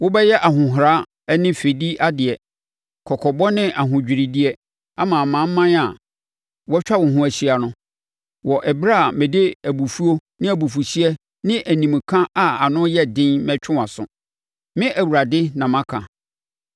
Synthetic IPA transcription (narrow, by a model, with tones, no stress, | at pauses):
wʊ˦bɛ˦jɛ˦ʔa˨ɦʊ̃˨ɦɾa˦ | ɛ˦nɪ̃˦fe˨di˦ʔa˦dɪ˨ɛ˨ | kʰɔ˨kʰɔ˨bɔ˦nɪ̃˦ʔa˨ɦʊ̃˨d͡ʑᶣi˨ɾi˨di˦ɛ˦ | a˦mã˨mã˨˦m̩˦mã˦na˨ | wɔ˦t͡ɕᶣa˦wʊ̃˨ɦʊ̃˦æ˨ɕi˨a˨nʊ̃˦ | wɔ˨ʔɛ˨bɾa˦˨mɪ̃˨de˦æ˨bu˨fu˦o˦nɪ̃˦æ˨bu˨fu˨ɕi˦ɛ˦ | nɪ̃˦ʔæ˨nĩ˨m˨kʰã˦ʔa˨a˨nʊ̃˦jɛ˦dɪ̃˦nmɛ̃˦t͡ɕʰᶣʊ˦a˨sʊ̰̃˨ | mɪ̃˦ʔæ˨wu˨ɾa˨dɪ˦nã˨mã˦kʰã˨